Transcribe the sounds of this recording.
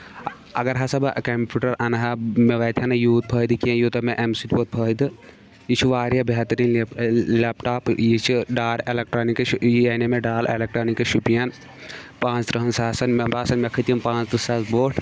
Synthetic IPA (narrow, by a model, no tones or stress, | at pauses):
ɐ̰ɡɐɾɦɐsɐbɐkɐmpʲuːʈɐɾɐnɦɐmeʋɐːt̪ʰʲɐnɐjuːt̪̚pʰɐːd̪ɨkiɐ̃juːt̪ɐmẽʔemsiʈʲboːt̪̚pʰɐːid̪ɨ | jit͡ʃʰuʋaːɾjabʱeɦt̪ɐɾiːnlepʈaːpjit͡ʃʰiɖaːɾelek̚ʈɾoːnikjjɐnemeɖaːlḛlek̚ʈɾoːnikɐʃupijɐn | pãːnst̪ɾɐɦɐnsaːsɐnmbaːsɐnmɐkʰɨt̪iɐmpãːnst̪ɨsaːzboːʈʰ